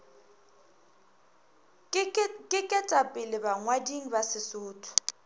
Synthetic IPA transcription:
kʼɪkʼɛtʼapʼɪlɪbaŋwadiŋ̩basɪsʊːtʰʊ̥

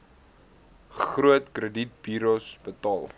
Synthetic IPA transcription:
χruətkrədit̚biːɾosbətɑːlˠ

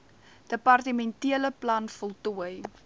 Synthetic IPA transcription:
d̥əpɐrtəmɛntiələplɐnfɔlˠtuəj

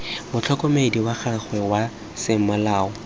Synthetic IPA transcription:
mʊt͡ɬʰɔkʼɔmediwaχʰaχwɛwa | sɪŋ̩malaːɔ

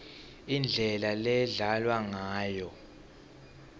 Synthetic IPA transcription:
ind͡ɮʱɛlalɛɮalwaŋaːjɔ

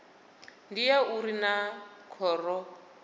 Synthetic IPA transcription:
ndijauɾinakʰɔːrɔ

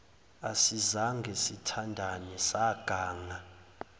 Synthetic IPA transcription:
asizaŋɡʱesitʰandʱanɛsaɡ̥ʱaːŋa

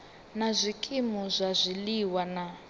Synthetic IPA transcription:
nazʷikʼimuzʷazʷiliwana

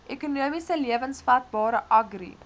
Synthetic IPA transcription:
ʔekunuəmisəliəvənsfat̚bɑːɾəʔɐɡrḭ

